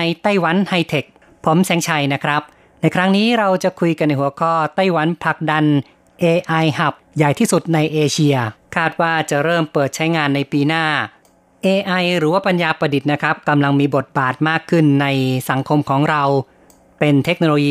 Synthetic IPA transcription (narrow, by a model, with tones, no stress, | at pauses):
a˧jt̪a˥˩jwa˩˥nha˧jt̪ʰe˨˩k̚ | pʰo˩˦msɛː˩˦ŋt͡ɕʰa˧jna˦˥kʰɾa˦˥p̚ | na˧jkʰɾa˦˥ŋniː˦˥ɾa˧wt͡ɕa˨˩kʰu˧jka˧nːa˧˩jɦu˩˦ɐkʰɔː˥˩t̪a˥˩jwa˩˦npʰa˨˩k̚da˧n | ʔeː˧ʔa˧jha˨˩p̚jaː˨˩jt̪ʰiː˥˩su˨˩t̪̚na˧jʔeː˧t͡ɕʰi˧ɐkʰaː˥˩t̪̚waː˥˩t͡ɕa˨˩ɾɤː˥˩mpɤː˨˩t̪̚t͡ɕʰa˦˥jŋaː˧nːa˧jpiː˧naː˥˩ | ʔeː˧ʔa˧jɾɯː˩˦waː˥˩pa˧njaː˧pɾa˧di˨˩t̪̚na˦˥kʰɾa˦˥p̚ka˧mla˧ŋmiː˧bo˨˩t̪̚baː˨˩t̪̚maː˥˩kʰːɯ˥˩nːa˧jsa˩˦ŋkʰo˧mkʰɔː˩˦ŋɾa˧w | pe˧nt̪ʰe˦˥k̚noː˧loː˧jiː˧